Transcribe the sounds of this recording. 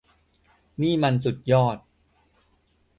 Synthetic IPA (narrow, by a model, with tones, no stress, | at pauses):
niː˥˩ma˧nsu˨˩t̪̚jɔː˥˩t̪̚